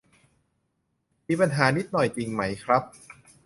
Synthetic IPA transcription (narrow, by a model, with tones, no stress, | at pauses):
miː˧pa˧nɦaː˨˩˦ni˦˥t̪̚nɔ˨˩jt͡ɕi˧ŋma˦˥jkʰɾa˦˥p̚